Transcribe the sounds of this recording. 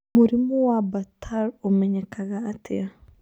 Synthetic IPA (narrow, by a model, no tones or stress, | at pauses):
muɾimowabatʰaɾomeɲekaɣaːtḛa